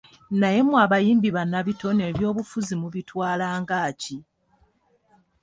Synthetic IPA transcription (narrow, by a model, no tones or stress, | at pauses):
naje̞mwaβajiːmbiβanːaβito̞ne̞ːβjo̞ːβufuzimuβitwaːlaːŋɡaːci